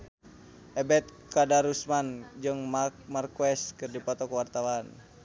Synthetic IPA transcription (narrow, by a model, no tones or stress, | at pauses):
ʔɛbɛt̪̚kadaɾusmand͡ʒɨŋmamarkuɛskɨrdipɔt̪ɔkuwart̪awan